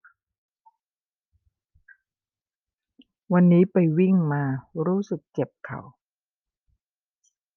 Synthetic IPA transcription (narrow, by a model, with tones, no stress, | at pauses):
wa˧nːiː˦˥pa˧jwi˥˩ŋmaː˧ɾuː˦˥sɯ˨˩k̚t͡ɕe˨˩p̚kʰa̰˨˩w